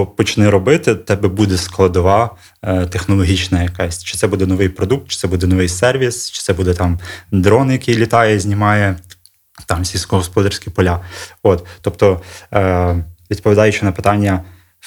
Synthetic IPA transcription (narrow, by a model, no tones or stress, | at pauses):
ɔpɔt͡ʃnɪɾɔbɪt̪ɪt̪ɛbɛbud̪ɛsklˠɐd̪ɔʋɑ | t̪exnɔlˠɔɦʲit͡ʃnɐjɐkɑsʲt͡ʃɪt̪sɛbud̪ɛnɔʋɪjpɾɔd̪uk̚t̪̚t͡ʃɪ̥sɛbud̪ɛnɔʋɪjsɛrʋʲist͡ʃɪ̥sɛbud̪ɛt̪ɑmd̪ɾɔnjɐkɪjlʲit̪ɑjɛzʲnʲimɑjɛ | t̪ɑmsʲilʲsʲkɔɦɔspɔd̪ɐrsʲkʲipɔlʲaot̪ːɔpt̪ɔ | ʋʲid̪̚pɔʋʲd̪ɑjʊt͡ʃɪnɐpɪ̥t̪ɑnʲːɐ